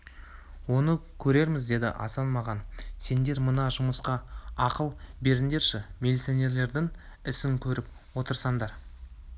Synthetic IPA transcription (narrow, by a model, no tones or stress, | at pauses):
wo̞nəkʲʰɵɾe̞ɾmɪzd̪e̞d̪ɪ̰ʔɑ̰sɑnmɑʁɑnse̞nd̪e̞ɾmənɑʒʊməsqɑɑqəlˠbe̞ɾɪnd̪e̞ɾʃɪmʲelʲit̪sione̞ɾle̞ɾd̪ɪŋ | ɪsɪŋkʲʰɵɾɪp̚ | wo̞t̪əɾsɑɴd̪ɑɾ